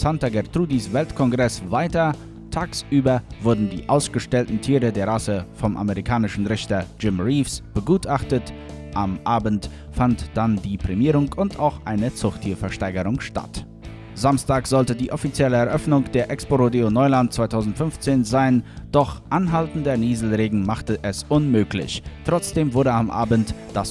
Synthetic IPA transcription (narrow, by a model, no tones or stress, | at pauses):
santaɡɛʁtʁ̥uːdisv̥ɛltkʰɔnɡʁɛsvaɪtɐ | tʰaːksʔyːbɐvʊɐdn̩dḭːʔaʊsɡ̥əʃtɛltn̩tʰiːʁədeːɐʁasəfɔmʔa̰məʁikʰaːnɪʃn̩ʁɪçtɐd͡ʒɪmʁiːfsb̥əɡuːtʔaχtət | ʔamʔaːbn̩t | fantd̥andiːpʁ̥ɛmiːʁʊŋʊntʔaʊxʔaɪnət͡sʊχtʰiːɐfɛɐʃtaɪɡəʁʊŋʃta̰t | zamstaːkz̥ɔltədiːʔɔfit͡sjɛləɛɐʔœfnʊŋd̥eːɐʔɛkspoʁodeonɔʏlantt͡sv̥aɪtʰaʊzn̩tfʏnft͡seːnzaɪnd̥ɔχʔanɦaltn̩dɐniːzl̩ʁeːɡŋ̩maχtəʔɛsʔʊnmøːklɪ̰çtʁ̥ɔt͡sd̥eːmvʊɐdəamʔa̰ːbən̩td̥as